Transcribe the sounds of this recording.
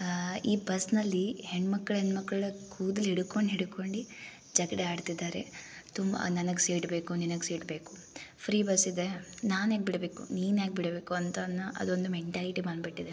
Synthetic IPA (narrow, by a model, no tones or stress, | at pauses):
iːbɐsnɐlːiheɳmɐkːɐɭenmɐkːɐɭkʰuːd̪ɐliɽuko̞ɳɖɦiɽuko̞ɳɖi | d͡ʒɐɡɐɽeaːɖt̪id̪ːaːɾḛt̪umbɐ̰nɐnɐɡseːʈbe̞ːkuninɐɡseːʈbe̞ːku̥ | pʰɾiːbɐsid̪enaːnaːɡbiɽɐbe̞ːkṵniːnaːɡ̚biɽbe̞ːkuɐnt̪ɐnːuʔɐ̰d̪ond̪umeɳʈaːliʈimaːɳbiʈːid̪e